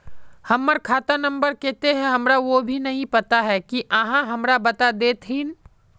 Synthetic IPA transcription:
hɐmːəɾkʰaːt̪anɐ̃mbəɾkɛːt̪eɦɛ̃ɦɐmɾaʋobʱinɐɦĩpɐt̪aɦɛkiʔɐɦãɦɐmɾabɐt̪ad̪eːt̪ʰin

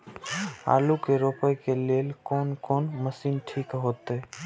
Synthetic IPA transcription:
a̰ːlukeɾoːpəjkeleːlkɔːnkoːnməsiːnʈʰiːkɦoːt̪e

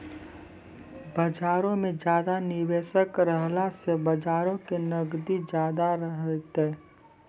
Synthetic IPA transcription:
bəd͡ʒaːɾõmẽd͡ʒjaːd̪anɪweːʃəkɾəɦlasebəd͡ʒaːɾõkenəɡd̪id͡ʒjaːd̪aɾəɦət̪ɦɛː

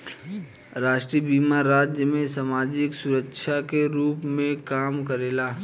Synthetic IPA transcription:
ɾaːʃʈɾibiːmaɾaːd͡ʒjəmẽsamaːd͡ʒɪksʊɾəkʃʰakeɾuːpmẽkaːmkəɾeːlaː

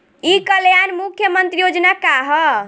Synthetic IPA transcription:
ikəljanmukʰjəmənt̪ɾijod͡ʒnakaɦɔ

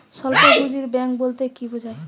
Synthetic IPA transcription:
ʃɔlpobud͡ʑiɾbɛŋkbolt̪ekibod͡ʑʱaj

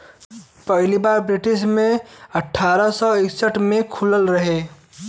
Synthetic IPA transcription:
pəɦlibaɾbɾiʈismeəʈʰːaɾəsɔeksəʈʰmekʰuləlɾəɦe

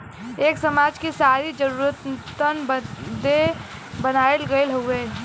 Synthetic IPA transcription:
eːksɐmaːd͡ʒkisaːɾid͡ʒəɾuːɾət̪t̪ənbəd̪e | bənaːelɡəɪlɦoeː

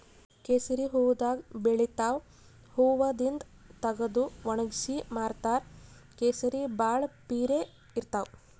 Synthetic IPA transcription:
keːsɐɾiɦuːʋud̪aːɡbeɭit̪aːw | huːʋɐd̪ind̪ | t̪ɐɡɐd̪uʋɐɳɐɡsimaːɾt̪aːɾkeːsɐɾibaːɭpiːɾe | iɾt̪aːw

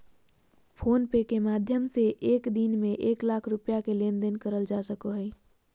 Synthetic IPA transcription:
pʰonpekemad̪ʱjəmseʔekd̪inmeʔeklakʰɾupjakelend̪enkəɾəld͡ʒasəkoɦəj

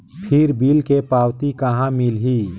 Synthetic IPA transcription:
pʰɪɾbiːlkepaːwt̪ikəɦãmɪlɦiː

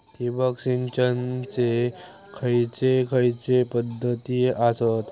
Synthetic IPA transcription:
tibaksint͡ɕənt͡se | kʰəjt͡sekʰəjt͡sepəd̪ʱːət̪iːʔasət̪

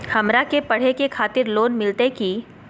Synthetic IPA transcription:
hɐmɾakepɐɽ̤ekekʰaːt̪ɪɾloːnmɪlt̪eki

